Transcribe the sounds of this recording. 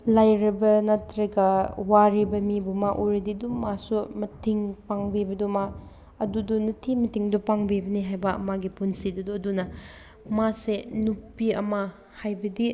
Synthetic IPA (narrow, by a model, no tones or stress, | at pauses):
lajɾɐbɐnɐtɾɐɡɐwaɾibɐmibumaʔuɾɐdidumasumɐtʰiŋpaŋbibɐduma | ɐdudunutʰimɐtʰiŋdupaŋbibɐniɦajbɐɐ̰maɡipunsiduduɐdunɐ | masenupːiɐ̰mɐ | hajbɐdi